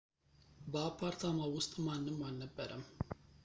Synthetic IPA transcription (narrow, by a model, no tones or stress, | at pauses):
bɐːpʰːaːɾt̪ʰamawʊst̪ʼmaːnːɨmːaːnːəbːəɾʔɐm